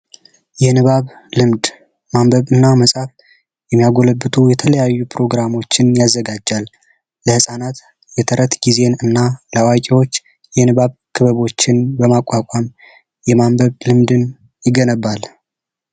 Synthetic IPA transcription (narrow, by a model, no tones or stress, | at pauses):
jɛnɨβaβlɨmd̪ | mambəβɨnːaməsʼaf | jɛmːijaɡo̞ləbːɨt̪ʰujɛt̪ʰələjajːupʰɾo̞ɡɾamo̞t͡ʃːɪnjazːəɡad͡ʒːalː | əhɨsʼanat̪ | jɛt̪ʰəɾət̪ɡize̞nɨnːaləawakʼiwo̞t͡ʃː | jɛnɨβaβkʰɨβəβo̞t͡ʃːɪnbəmakʷʼːakʷʼam | jɛmambəβlɨmd̪ɨn | jɪɡənəbːal